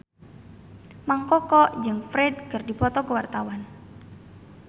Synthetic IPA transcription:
maŋkɔkɔd͡ʒɨŋfɾɛd̪̚kərdipɔt̪ɔkəwart̪awan

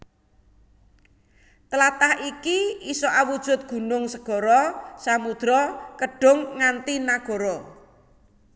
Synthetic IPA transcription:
t̪əlat̪ahikiisɔʔawud̥ʒ̥ʊ̤t̪̚ɡ̥ṳnʊŋsəɡ̥ɔ̤ɾɔsamud̪̥ɾɔkəɖ̥ʊ̤ŋːant̪inaɡ̥ɔ̤ɾɔ

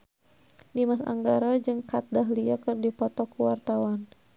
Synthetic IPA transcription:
dimasa̰ŋɡaɾad͡ʒɨŋkat̪̚daɦliakɨrdipɔt̪ɔkuwart̪awan

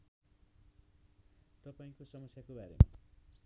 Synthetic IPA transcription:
t̪ʌpaĩkosʌmʌsjakobaɾema̰

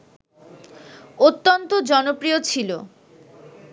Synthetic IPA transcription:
ot̪ːont̪od͡ʑɔnopɾijot͡ɕʰilo

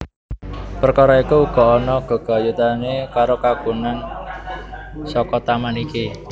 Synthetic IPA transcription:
pərkaɾɔikuːɡ̥ɔ̤ɔnɔɡ̥ɔ̤ɡ̥a̤jut̪anekaɾokaɡ̥unan | sɔkɔt̪amaniki

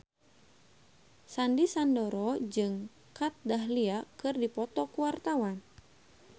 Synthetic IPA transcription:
sandisandɔɾɔd͡ʒɨŋ | kat̪̚daɦliakɨrdipɔt̪ɔkuwart̪awan

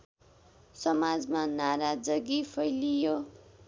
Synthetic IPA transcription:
sʌmad͡zmanaɾad͡zʌɡipʰʌjlijo

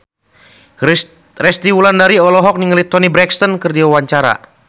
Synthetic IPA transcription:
rɛst̪iwulandaɾiɔlɔɦɔk̚niŋəlit̪ɔnibɾɛkst̪ɔnkɨrdiwawaɲt͡ʃaɾa̰

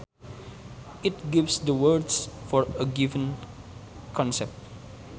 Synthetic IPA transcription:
it̚ɡivsdəwədsfɔɹəɡivə̃n | kʰɔ̃nsɛp̚t̚

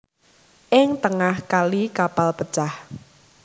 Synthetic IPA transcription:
ʔɪŋt̪əŋahkalikapalpət͡ʃah

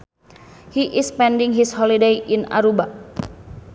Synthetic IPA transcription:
hiʔɪspɛndɪŋɦishɔlidejʔina̰ɾuba

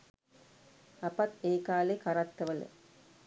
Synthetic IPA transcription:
apat̪eːkaːlekaɾat̪ːəʋələ̰

